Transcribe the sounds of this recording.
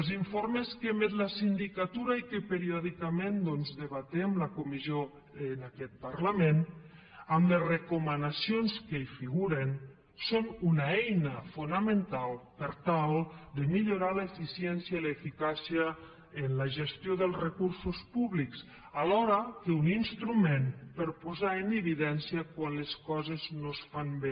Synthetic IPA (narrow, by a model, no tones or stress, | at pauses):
elˠziɱfoɾmeskemet̪lasind̪ikat̪uɾaikəpeɾiɔðikamẽnd̪ɔnzðəβat̪ɛmləkumizjo | ənakɛt̪̚paɾlamen | əmlezrekumənasionskeifiɣuɾen | sonunaɛjnəfunəmənt̪alˠpəɾt̪alˠd̪əmiʎuɾaləefisiɛnsjəiləefikasiəː | nləʒəst̪joðəlˠzrəkuɾsuspuβliks | alɔɾəkəuninst̪ɾumenpəɾpuzaənəβiðɛnsiəkwanləskɔzeznosfanbe